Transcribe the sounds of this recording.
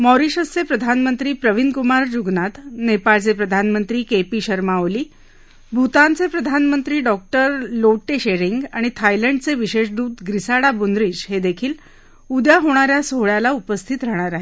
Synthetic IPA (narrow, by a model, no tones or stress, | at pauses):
mɔɾiɕəst͡sepɾəd̪ʱanmənt̪ɾiːpɾəʋinkumaɾd͡ʑuɡnat̪nepalt͡sepɾəd̪ʱanmənt̪ɾiːkepiːɕəɾmaʋliː | bʱut̪ãnt͡sepɾəd̪ʱanmənt̪ɾiːɖɔk̚ʈəɾloʈːeɕeɾiŋɡa̰ɽ̃it̪ʰajləɳɖt͡seʋiɕeɕd̪uːt̪ɡɾisaɽabund̪ɾiːd͡ʑɦed̪ekʰiːl | ud̪jaɦoɽ̃aɾjasoɦɭjalaupəst̪ʰit̪ɾəɦɽ̃aɾaɦe